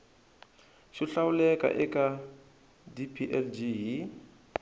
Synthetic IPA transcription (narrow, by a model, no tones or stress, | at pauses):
ʃiɬawulɛka̰ʔɛka | dipʰiʔɛld͡ʒiɦi